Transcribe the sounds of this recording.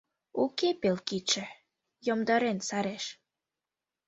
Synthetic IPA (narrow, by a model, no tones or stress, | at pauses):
ukepelkit͡ʃĕ | jomd̪ɑɾensɑɾeʃ